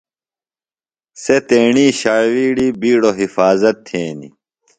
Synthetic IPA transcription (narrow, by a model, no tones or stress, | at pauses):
set̪eːɳiːɕaːwiːɽiːbiːɽoɦifaːzɐt̪ʰːẽːnḭ